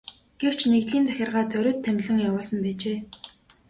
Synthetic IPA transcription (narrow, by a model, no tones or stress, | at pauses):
ɡ̥ew̥t͡ɕʰneɣt̪ɮiːnt͡sæxʲɪ̆rʁaːt͡sœɾʲʊ̆ːt̪ʰːæmʲɮə̆ŋjawʊːɮsə̆mpæːt͡ɕeː